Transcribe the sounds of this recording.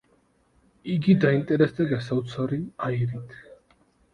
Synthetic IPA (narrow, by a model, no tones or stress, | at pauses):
iɡid̪aint̪ʼɛɾɛsd̪ɛɡasaut̪sʰaɾiaiɾit̪ʰ